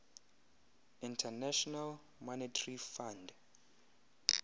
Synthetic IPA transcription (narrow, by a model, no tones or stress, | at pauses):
ĩntʰɛnɛʃɔnal | mɔnitʰarifãnd